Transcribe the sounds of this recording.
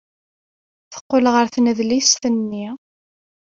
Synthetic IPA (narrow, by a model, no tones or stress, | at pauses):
θə̥qːolʁəɾθnəðlist̪ənːi